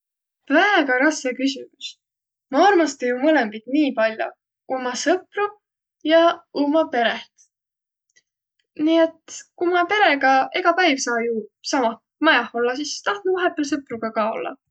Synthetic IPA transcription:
væɡ̥ɑɾɑskekysʲimus | mɑɑrmɑst̪ejumɤlembid̪̥niːpɑlʲjo̰ | umɑsɤpru | jɑumɑpe̞ɾe̞ht̪ | nie̞t̪ˑkumɑpe̞ɾe̞ɡ̥ɑe̞ɡ̥ɑpæjv̥sɑːjusɑmɑ | mɑjɑho̞lːɑsist̪ɑht̪nuvɑɦe̞pːˑels̬ɤpruɡ̥ɑkɑːo̞̰lːɑ̰

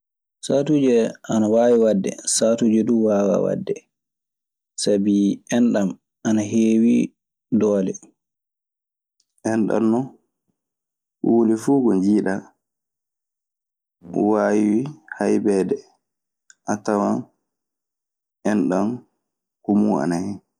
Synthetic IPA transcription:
saːtud͡ʒɛʔanawaːwiwadːɛ̰satud͡ʒɛduwaːwa̰wa̰dːɛ | sabiɛnɗam | ʔanaɦeːwi | dɔːlɛ | ʔɛnɗa̰nːɔ | ulifuɡɔɲd͡ʒiːɗa | waːwiwihajbɛːdɛ | ʔatawan | ʔɛnɗam | kumua̰nahɛ

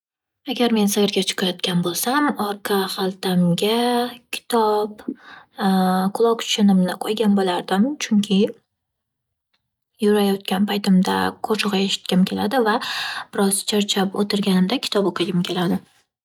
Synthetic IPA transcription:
aɡʲaɾme̞nsaɪɾɡʲat͡ʃʰʊ̥qʰajɒt̪kʲanbolˠsamɒɾqʰɑχalˠt̪ʰamɡʲakʲʰɪ̥t̪ʰɒp | qʰʊlˠɒqt͡ʃʰʊ̥ʃʊnɪmnɪqʰojɡʲanbolaɾd̪ɪmt͡ʃʰʊŋkʲʰɪ | jʊɾajɒt̪̚kʲanpʰajt̪ɪmd̪a̰kʰot͡ʃʰʊʁaeʃɪ̥t̪̚kʲɪmkʲʰe̞lad̪ɪvab̥ɪɾɒzt͡ʃʰaɾt͡ʃʰapot̪ʰɪɾɡʲanɪmd̪akʲʰɪ̥t̪ʰɒpoqʰɨɡʲɪmkʲʰe̞lad̪ɪ

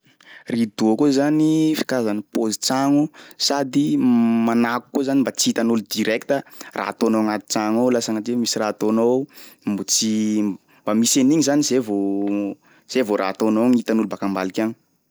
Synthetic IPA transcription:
rid̪̥uakuzanifi̥kazanipozit͡saŋusad̪imanaku̥kuzanimbat͡sit̪anulud̪iɾɛkt̪ərʔa̰at̪onowaŋat̪i̥t͡saŋowlasaŋatemisirat̪onowmbut͡si | mbamiseniɲizanizevo | z̥evoɾʔa̰t̪onoŋit̪anulubakambalikʲaŋi

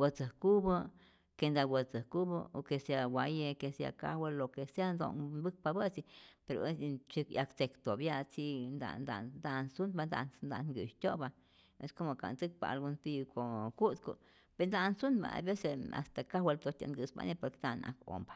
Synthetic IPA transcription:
wat͡səkubə | kend̪awət͡səkubə̰okesawʷajekesja̰ka̰welokesjando̰nbɨk̚pabət͡sipeɾo̰est͡ʃikjakt͡sekt̪objat͡sind̪a̰nd̪a̰d̪ansund̪band̪a̰nnd̪anɡɨ̰ʃt̪ʲoba | ḛskomoka̰nt͡sɨk̚pa̰lɡunt̪ikokud̪ko̰ | b̥end̪ansunba̰a̰besea̰st̪akawelt̪ot̪ʲa̰nɡɨsba̰nepokd̪ana̰ko̰mbḁ

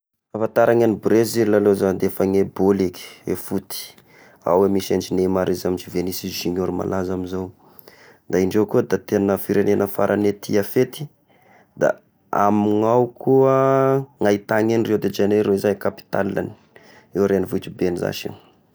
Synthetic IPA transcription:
afat̪aɾʔaŋanibrezilːalozand̪efəŋeboliki̥ḛfut̪i̥ | a̰wemisant͡ʃinemaɾizamint͡ʃivenisizːiɲoɾima̰lʔazaminzow | d̪aiɳɖ͡ʐewkuəd̪at̪enəfiɾenenəfa̰ɾʔanet̪ʰiafet̪i̥ | d̪a̰ | amiŋawkuəŋait̪aŋenred̪ed͡ʒeneɾoizajkapi̥t̪a̰lːa̰ni̥ | ewɾenivut̪ibenza̰ʃḭ

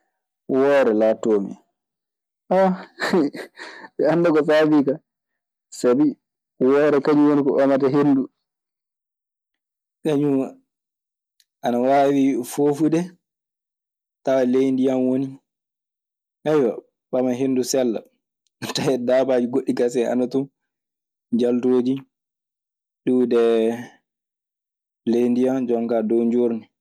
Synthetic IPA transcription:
wɔːɾɛlatːoːmḭ | ʔa | ɓɛanːdakɔs̬aːbiːka | sabi | wɔːɾɛkaɲuwonikɔ̰ʔɔmataɦendu | kaɲu | ʔanawaːwifoːfudɛ | tawalejndijamwoni | ʔɛjwa | ɓamaɦenːdusɛlːa̰ | tajɛdabad͡ʒiɡoɗːikasɛa̰natu | d͡ʒaltoːd͡ʒi | ɗuːdɛ | lejndijamd͡ʒɔŋkadɔɲd͡ʒoɾni

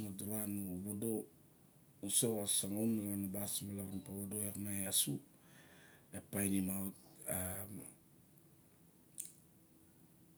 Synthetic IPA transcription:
ŋaduɾanuβodo | usewasaŋonlaanabasmalaɾampaβodoeɾmaeasu | epajnimata

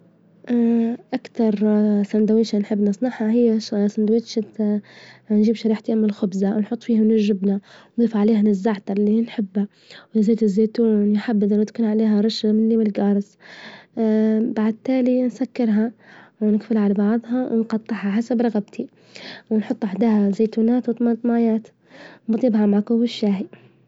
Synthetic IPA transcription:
ʔʔakt̪ɑɾˤsand̪awiːʃanħɪbːnɑsˤnɑħhaɦɪjːasand̪awiːt̪ʃat̪ | nʒiːbʃaɾiːħt̪iʔamːɪlxʊbzawnħʊt̪ˤːfiːhawnɪɾʒɪbnawnðˤiːfʕaleːɦanɪzːaʕt̪ɑˤlːinħɪbːa | wɪzeːt̪ɪzːeːt̪unħabːɪd̪awt̪kuːnʕaleːɦaɾˤɑʃamɪnlimɪlɡɑːɾˤɨs | baʕd̪̚t̪aːlinsakːɪɾɦawnɪɡfɪlaʕalabɑʕðˤɦɑwnqɑt̪ˤːɨħhaħasabɾˤɑɣabt̪ʰi | wnħʊt̪ˤːʔaħd̪aːhazeːt̪uːnaːt̪wt̪amant̪majaːt̪ | wmɑd̪ˤɪbhamaʕkuwɪʃːaːɦi

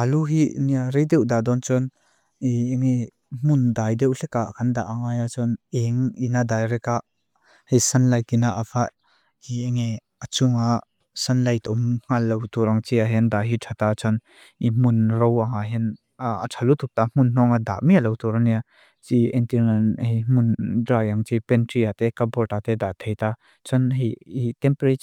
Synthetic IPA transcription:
ʔaluɦiniaɾejd̪ɛwd̪ad̪ɔnt͡sɔn | ieŋe | m̥und̪ajdɛwɬɛkaʔkand̪a̰ʔaŋajat͡sɔnɛŋinad̪ajɾɛkaʔ | hesanlajkinaʔafaʔ | ieŋi | at͡suŋa | sanlajt̪ɔmŋ̥alːowt̪uɾaŋt͡ʃiaɦɛnd̪aɦitʰat̪at͡sʰɔn | imunɾowaŋaɦɛn | a̰tʰalut̪ʰuk̚t̪am̥unnɔŋad̪a̰ʔmialɔwt̪uɾaŋnia | t͡ʃiɛntinanhejmundɾajaŋt͡ʃipɛntɾiat̪ɛkabɔtat̪ɛd̪aʔt̪ʰejt̪a | t͡sʰɔnɦejit̪ɛmpɾi

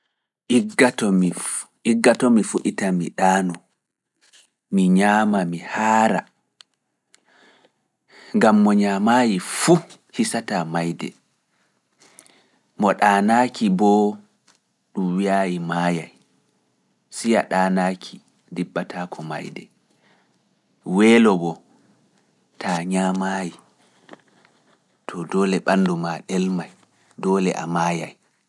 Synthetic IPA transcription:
ʔiɡatɔmi | iɡːatɔmifuɗitamiɗaːnɔ | miɲaːmamihaːɾa̰ | ŋɡamːɔɲamajifu | hisatamajdɛ̰ | mɔɗaːnaːkʰibɔ | ɗumwiajimaja̰j | sijaɗaːnaːkʰi | dibːatʰakʰɔma̰jdɛ̰ | wɛːlɔbɔ | tʰaɲamaːji | tʰɔdɔːlɛɓandumaɗɛlmaj | dɔːlɛ̰ʔa̰maja̰j

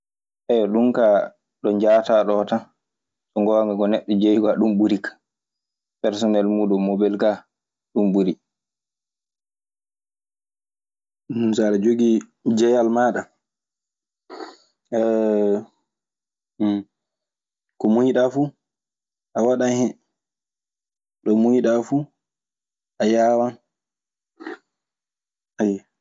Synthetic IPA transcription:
ʔɛjɔɗumka | ɗɔɲd͡ʒataɗɔta | sɔŋɡɔŋɡaɡɔnɛɗːɔd͡ʒejɡaɗumɓuɾikḁ | pɛɾs̬ɔnɛlmuɗumːobɛlka | ɗumɓuɾi | saɾad͡ʒoɡi | d͡ʒɛjalmaɗa | ɛ | kɔmujiɗafu | ʔawaɗanhɛ | ɗɔmujiɗafu | ʔajaːwan | ajɛ

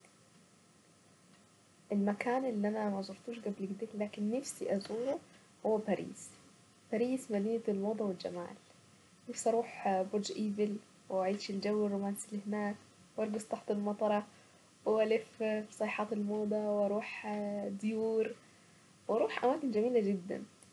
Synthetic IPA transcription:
ʔɪlmækaːnʔɪlːiʔæmæmæʔzˤʊɾˤt̪uːʃɡæblɪɡd̪eːlaːkɪnːafsḭʔæzuːɾu | hʊwːæbæɾʔḭːs | bæɾiːsmæniːlmoːd̪ˤɑwɪld͡ʒa̰ma̰ːl | nafsʔɑɾˤuːħbod̪d͡ʒʔiːvɪl | wɪaʕiːd̪ʃɪld͡ʒawːɪrˤːomaːnsilɪhɪnaːk | wʔɑɾˤɡɑzt̪ˤɑħt̪ɪlmɑt̪ˤɑɾˤɑ | wɪʔælɪfsˤɑːħɑːt̪elmoːd̪ˤɑwʔɑɾˤuːħd̪juːɾ | wɑɾˤuːħʔamaːkɪnd͡ʒæmiːlæd͡ʒɪd̪ːæ̰n

